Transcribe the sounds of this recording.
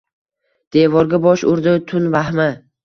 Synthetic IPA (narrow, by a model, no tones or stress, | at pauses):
d̪̥evɒɾɡʲabɒʃʊɾd̪ɪt̪ʰʊnvahmɪ